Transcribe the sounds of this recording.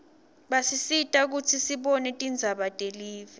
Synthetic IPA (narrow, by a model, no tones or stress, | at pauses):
ɓasisitʼak̬utʰisiɓɔnɛtʼind͡zʱaɓatʼeliːvɛ